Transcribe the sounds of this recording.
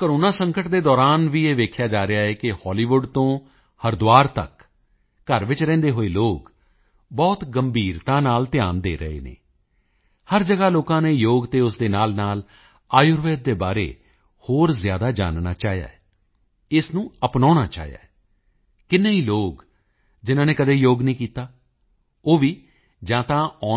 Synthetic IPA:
kəɾoːnaːsə̃ŋkəʈd̪eːd̪ɔːɾaːnʋiːeːʋeːkʰjaːd͡ʒaːɾɪaːɦɛːkɪhɔːliːʋʊɖt̪õː | həɾd̪ʊʋaːɾt̪ə̰kː | əɾʋɪt͡ʃɾɛ̃ːnd̪eːɦoːeːloːk | bɔːt̪ɡəmbʱiːɾt̪ãːnaːlt̪ɪjaːnd̪eːɾə̰ḛːnḛː | həɾd͡ʒəɡaːloːkãːnẽːjoːɡt̪eːʊsd̪eːnaːlnaːl | aːjʊɾʋeːd̪̚ːeːbaːɾḛː | hoːɾzjaːd̪aːd͡ʒa̰ːnna̰ːt͡ʃaːɦja̰ːɛ | ɪsnũːəpnaːnaːt͡ʃa̰ːɦja̰ː | kɪnːeːiːloːk | d͡ʒɪnãːneːkəd̪eːjoːɡnĩːkiːt̪aː | oːʋiː | d͡ʒãːt̪ãːɔː

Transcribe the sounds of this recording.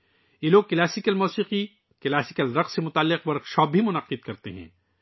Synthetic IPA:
jeloːɡ̚klaːsɪkəlmɔːsiːqi | klaːsɪkəlɾɐqsemʊt̪aːlːɪqʋɐɾɐkʃɔːbbʱimʊnɐqɪd̪̚kɐɾt̪eɦɛ̰̃ː

